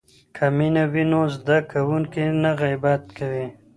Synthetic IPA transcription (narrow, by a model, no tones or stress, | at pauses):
kʰaminawinozd̪akawuŋkinaɣajbat̪kawi